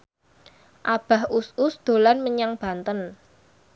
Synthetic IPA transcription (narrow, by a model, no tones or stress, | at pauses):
ʔab̥a̤husʊsd̪̥o̤lanməɲaŋb̥ä̤nt̪ən